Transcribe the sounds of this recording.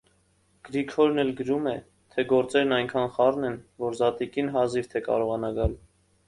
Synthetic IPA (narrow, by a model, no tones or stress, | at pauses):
ɡ̥əɾikʰɔɾnɛlɡəɾumɛ | t̪ʰɛɡɔɾt͡sɛɾnɑjŋkʰɑnχɑrnɛnvɔɾzɑt̪ikinɦɑziɾt̪ʰɛkɑ̰ɾɔʁɑnɑɡɑl